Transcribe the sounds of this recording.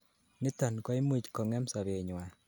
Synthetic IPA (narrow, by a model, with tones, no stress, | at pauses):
nɪ˦tɔ˨nkɔ˦i˦mu˦t͡ʃkɔ˨ŋɛ˦msa˨be˨ɲwa˨